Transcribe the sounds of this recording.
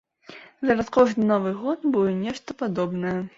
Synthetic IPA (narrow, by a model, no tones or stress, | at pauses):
zɐɾɐskɔʐnɨnɔvɨɣɔt̪bulɛnʲɛʂt̪ɐpad̪ɔbnɐjɐ